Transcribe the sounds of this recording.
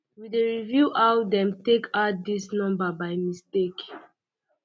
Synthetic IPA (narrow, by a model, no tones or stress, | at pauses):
wideɹivjuʔawdɛ̃mtekadisnɔ̃mbabajmistek